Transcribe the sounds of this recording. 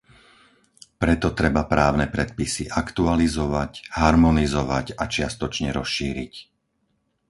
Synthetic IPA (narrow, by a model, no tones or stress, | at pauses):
pɾɛt̪ɔt̪ɾɛbapɾaːʊnɛpɾɛt̪̚pisiʔakt̪ualizɔʋacɦaɾmɔnizɔʋacat͡ʃɪast̪ɔt͡ʃɲɛɾɔsʃiːɾic